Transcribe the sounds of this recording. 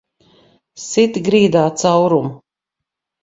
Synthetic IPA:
sit̪iɡɾiːd̪aːt̪sawɾum

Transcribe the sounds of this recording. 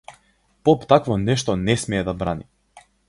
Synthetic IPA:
pɔpt̪akvɔnɛʃt̪ɔnɛsmɛːd̪abɾani

